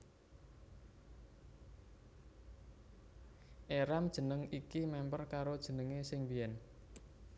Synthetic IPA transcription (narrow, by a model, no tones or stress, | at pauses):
ʔeɾamd̥ʒ̥ə̤nəŋikimɛmpərkaɾod̥ʒ̥ə̤nəŋesɪŋbiɛn